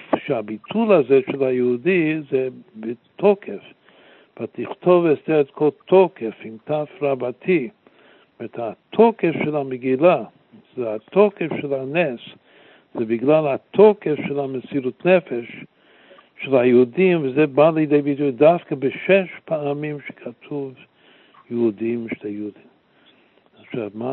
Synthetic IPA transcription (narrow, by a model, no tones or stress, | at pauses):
ʃɪabitʰulˠazɛʃɛlˠajəudizɛbɪtʰɔkʰɛf | vatɪχtʰɔvɛsdɛɾɛtkʰɔltʰɔkɛfɪmtafɾabatʰi | mɛthatʰɔkɛfʃɛlˠamɪɡila | zɛatʰɔkɛfʃɛlanɛs | z̥ɛbɪɡlalˠhatʰɔkɛfʃɛlˠamɪsiɾutnɛfɛʃ | ʃːɛlˠajɪudimvɪzɛbalɪdeɪbitujdafkəbɪʃɛʃpaːmimʃɛ̥kʰatʰuv | jəudimʃtajudim | aʃabma